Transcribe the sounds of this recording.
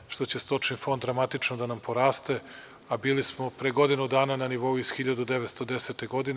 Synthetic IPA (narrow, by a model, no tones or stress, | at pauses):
ʃt̪o̞t͡ɕe̞st̪o̞t͡ʂnifo̞nd̪d̪ɾamat̪it͡ʃnod̪anampʰo̞ɾaːst̪e̞ | abiːlismo̞pɾeɡo̞d̪inud̪aːnananiʋo̞uizxiʎad̪ud̪eʋet̪st̪o̞d̪eset̪eɡo̞d̪in